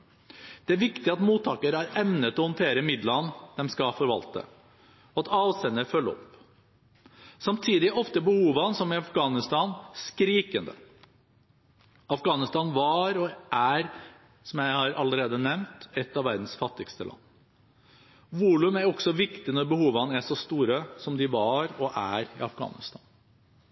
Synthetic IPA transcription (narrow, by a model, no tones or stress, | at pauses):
d̪̥ɛæɾʋɪkt̪ɪɑt̪muːt̪ʰːɑːkəɾæɾɛmnət̪ɔhʊnt̪ʰeːɾəmɪd̪lɑnd̪ɛmskɑfɔɾʋɑ̰lt̪ə̰ | ɔɑt̪ɑːʋst̪ɛnːəɾfœlːəɔ̰p | sɑmt̪ʰiːd̪ɪʔɔft̪əbəhuːʋɑnsɔmɪɑfɡɑːnɪst̪ɑnskɾiːkənd̪ə̰ | ɑfɡɑːnɪst̪ɑːnʋɑɾɔʔæɾ | sɔmjæɪhɑːɾʔɑ̰ləɾeːd̪ənɛmnt̪ɛt̪ːɑʋæɾd̪n̩sfɑt̪ːɪkst̪əlʔɑ̰nː | ʋuːlʉmæɾɔksɔʋɪkt̪ɪnɔɾbəhuːʋɑnæʂɔst̪uːɾəsɔmd̪ɪʋɑɾɔʔæɾɪ̰ɑfɡɑ̰ːnɪ̰st̪ɑ̰ːn